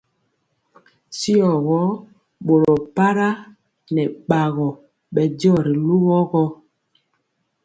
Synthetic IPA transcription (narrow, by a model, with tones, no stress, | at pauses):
si˦ɔ˨ɣɔ˨˦ | ɓo˨ɾɔ˨pa˦ɾa˦ | nɛ˨ɓa˨ɣɔ˨ | ɓɛ˨dɔ˦˨ɾi˨lu˦ɣɔ˦ɣɔ˦